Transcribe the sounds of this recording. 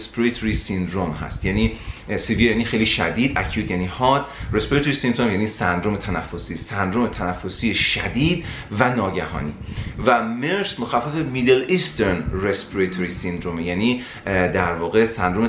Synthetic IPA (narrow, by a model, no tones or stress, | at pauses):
spɾet̪ʰoɾisind̪ɾomhæ̰st̪jæniːsivijæniːxejliːʃæd̪iːd̪ʔæ̰cʰjuːd̪jæniːhɒːd̪ɾespɾet̪oɾisind̪ɾomjæniːsænd̪ɾomet̪ʰænæfːosiːsænd̪ɾomet̪ʰænæfːo̞siːeʃæd̪iːd̪ | vænɒːɟæhɒ̰ːnḭːvæmeɾsmoxæfːæfemiːd̪elist̪eɾnrespiɾet̪ʰoɾisind̪ɾomejæniː | d̪æɾvɒːɣesænd̪ɾome